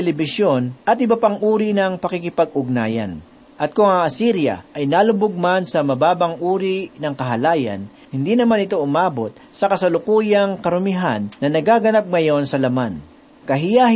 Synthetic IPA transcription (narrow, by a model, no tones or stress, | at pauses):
ɛlɛbɪsjo̞nʔɐt̪ʔɪbɐpaŋʔuːɾinɐŋpɐkikɪpɐɡ̚ʊɡ̚na̰ːjɐ̰n | ʔɐt̪̚kʊŋaʔɐsiɾjɐ̰ʔɐjnaːlʊbʊɡ̚mansɐmɐbaːbɐŋʔuːɾinɐŋkɐɦɐlaːjɐ̰n | hɪnd̪inɐmanɪt̪o̞ʔʊmaːbo̞t̪̚sɐkɐsɐlʊkuːjɐŋkɐɾʊmɪɦanːɐnɐɡaːɡɐnap̚ŋɐjo̞nsɐlɐman | kɐɦɪja